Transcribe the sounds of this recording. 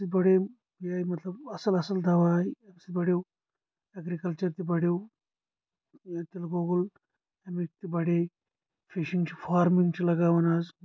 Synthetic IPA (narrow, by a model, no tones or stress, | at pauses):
sit̪bɐɽe | biaːjmɐt̪lɐbɐsɐlɐsɐld̪ʱɐʋaːjɐbsid̪̚bɐɽew | ɐɡɾikɐlt͡ʃɐɾt̪ibɐɽew | t̪elɐɡoːɡul | ɐmik̚t̪ibɐɽe | fʰiʃiŋt͡ʃfʰaːɾmiŋɡt͡ʃilɐɡaːʋɐnaːz